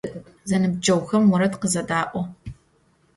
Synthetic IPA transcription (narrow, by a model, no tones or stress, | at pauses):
zɐnɨb̚d͡ʒʼɐwxɐmwɔɾɐtqəzɐdaːʔʷɔ